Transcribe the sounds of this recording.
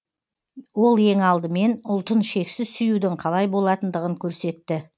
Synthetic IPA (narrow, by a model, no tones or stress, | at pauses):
wo̞lˠe̞ŋɑlˠd̪əme̞nʊlˠt̪ənʃe̞ksɪzsʏjud̪ɪqʰɑlˠɑjbo̞lˠɑt̪ənd̪əʁəŋkʲʰɵɾse̞t̪ːɪ